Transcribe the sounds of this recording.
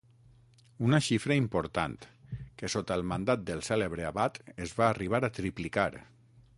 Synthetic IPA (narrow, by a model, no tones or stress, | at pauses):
unaʃifɾəimpoɾt̪a̰nt̪kesot̪alˠmand̪at̪̚d̪əlˠsɛleβɾeaβat̪ezβaːriβ̞aɾat̪ɾiplikaɾ